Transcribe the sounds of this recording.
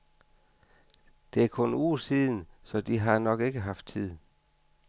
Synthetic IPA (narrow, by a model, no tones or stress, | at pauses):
d̥e̝æɐkʰɔ̽nuːɐsiːðˠn̩sɒ̽d̥iɦɑ̈nɒ̽ɡ̥e̝ɡ̥əɦɑ̈fd̥̚t͡sʰið̞̰ˠ